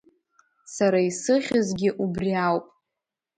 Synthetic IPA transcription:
saɾaisɨχʲɪzɡʲɪʔubriawpʼ

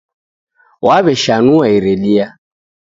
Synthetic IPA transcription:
waβɛʃanuaiɾɛɗia

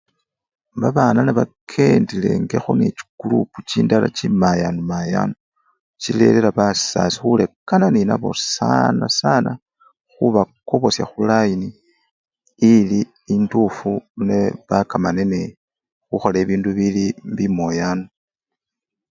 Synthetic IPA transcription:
βaβaːnaneβakʰe̞ndile̞̰ŋɡe̞xonet͡ʃi̥ɡ̥uluput͡ʃiːndala̰t͡ʃimajanumaja̰no | t͡ʃile̞̰lelaβasa̰si̥xule̞kananina̰βo̞̰sa̰nasana | xuβako̞βo̞sja̰xulajini | liː | ndufuneβakamanene | xuxole̞ːβiːnduβilimbimo̞jaːno

